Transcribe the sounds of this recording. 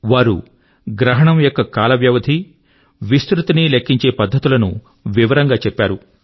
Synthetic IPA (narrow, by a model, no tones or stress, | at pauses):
ʋaːɾṵ | ɡɾɐɦɐɳɐmjokːɐkaːlɐʋjɐʋɐd̪ʱi | ʋist̪ɾut̪inilekːiɲt͡ʃe̞ːpɐd̪ʱːɐt̪ulɐnṵ | ʋiʋɐɾɐŋɡaːt͡ʃɛpːaːɾu